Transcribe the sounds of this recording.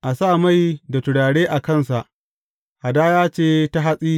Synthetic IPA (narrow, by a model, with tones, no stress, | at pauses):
ʔa˨saː˦˨ma˦˨jda˨tʊ˨ɽaː˨ɽeː˦ʔa˨kɐ˦˨nsa˨ʔ | ʔa˨daː˦jaː˦t͡ʃeː˦˨ta˦ɦa˦sʼiː˦